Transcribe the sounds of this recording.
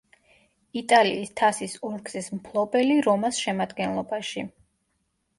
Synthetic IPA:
it̪ʼalḭːst̪ʰasisɔɾɡz̥ismpʰlˠɔbɛliɾɔmasʃɛmad̪ɡɛnlˠɔbaʃi

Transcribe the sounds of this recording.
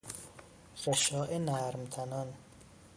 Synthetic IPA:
ɾeʃɒːʔenæːɾmt̪ʰænɒn

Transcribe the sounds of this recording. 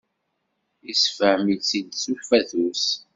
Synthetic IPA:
isfəʕmilsinsufæθus

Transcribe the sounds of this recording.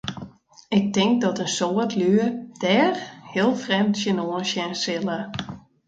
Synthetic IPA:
ɪk̚tɪŋk̚dɔtənsoətʰlyd̥ɛːrhiəlˠfrɛmtsənoənsjɛnsɪlə

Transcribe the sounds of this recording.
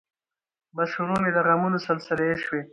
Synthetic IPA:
baʃuɾuned̪əɣamunosəlsɪleʃwe

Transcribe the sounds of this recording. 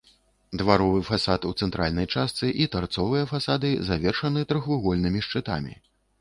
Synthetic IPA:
d̪vaɾɔvɨfasat̪ut̪sɛnt̪ɾalʲnɐjt͡ʂast̪sɨʔit̪vart̪sɔvɨjɐfasad̪ɨzavʲɛrʂɐnɨt̪ɾɨxvɨɣɔlʲnɨmʲiʂt͡ʂɨt̪a̰mʲḭ

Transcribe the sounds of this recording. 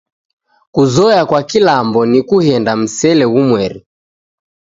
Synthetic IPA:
kuzɔjakwakilambɔnikuhɛndam̩sɛlɛumwɛɾi

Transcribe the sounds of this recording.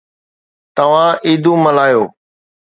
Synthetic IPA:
t̪əʋ̤ãːʔiːd̪ʱũːməlaːjoː

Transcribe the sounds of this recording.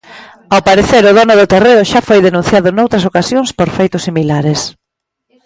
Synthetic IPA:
awpaɾeθeɾʊðɔnʊðʊt̪ereʊʃafojðenũn̟θjaðʊnowt̪ɾɐsokasjoŋspoɾfejt̪ʊsːimilaɾes

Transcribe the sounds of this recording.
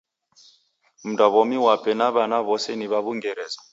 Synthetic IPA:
m̩dʼaβɔmiwapʼɛnaβanaβɔseniβaβuŋɡɛɾɛːzɔ̥

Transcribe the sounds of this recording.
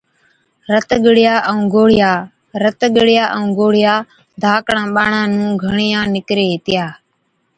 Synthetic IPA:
ɾət̪ɠəɽɪjaːʔũːɡoːɽ̤ɪjaː | ɾət̪ɠɪɽɪjaːʔəũːɡoːɽ̤ɪjaː | d̪ʱaːkɳãːɓaːɳãːnũːɡʱəɳɪjãːnɪkɾeːt̪ɪjaː

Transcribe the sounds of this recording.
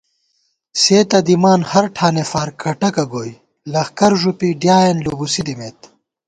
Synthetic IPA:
seːt̪ɐd̪imaːnhɐɾʈʰaːnefaːɾkʰɐʈɐkɐɡoːj | lɐxkɐɾʐupiɖjaːenlobusid̪imeːt̪

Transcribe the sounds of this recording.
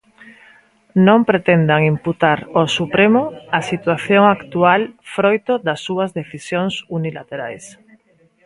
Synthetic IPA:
nõmpɾet̪end̪aŋimput̪aɾosupɾemoasit̪waθjoŋakt̪ualfɾojt̪oðasːuazðeθisjoŋsunilat̪eɾa̰js

